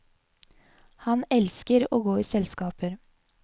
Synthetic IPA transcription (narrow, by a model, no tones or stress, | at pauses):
hɑnɛlskəɾo̰ːɡoːiːsɛlskɑːpəɾ